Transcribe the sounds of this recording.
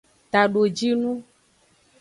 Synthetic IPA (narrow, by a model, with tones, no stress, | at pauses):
t̪a˨ɖo˨d͡ʒi˦nũ˦